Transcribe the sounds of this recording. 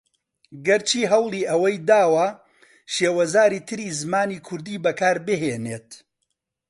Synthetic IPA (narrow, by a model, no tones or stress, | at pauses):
ɡɐɾt͡ʃʰiːɦɐwlˠiːʔɐwɐjd̪aːwɐ | ʃeːwɐzaːɾiːt̪ʰɨɾiːzɨmaːniːkʰʊɾd̪iːbɐkʰaːɾbɨɦeːneːt̪